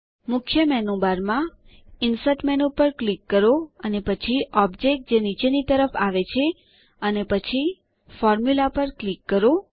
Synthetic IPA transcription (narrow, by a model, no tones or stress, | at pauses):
mʊkʰjəmɛnobaɾmã | ɪnsəʈmɛnopəɾklikːəɾoənepət͡ʃʰiɔb̚d͡ʒek̚ʈ̚d͡ʒenit͡ʃenit̪əɾəfaʋet͡ʃʰe | ənepət͡ʃʰi | fɔɾmjulapəɾklikːəɾo